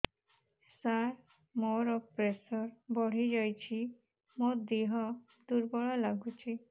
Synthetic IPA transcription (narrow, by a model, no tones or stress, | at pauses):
saɾ | moɾɔpɾesɔɾbɔɽ̤id͡ʒɔjt͡ʃʰi | mod̪iɦɔ | d̪uɾbɔɭɔlaɡut͡ʃʰi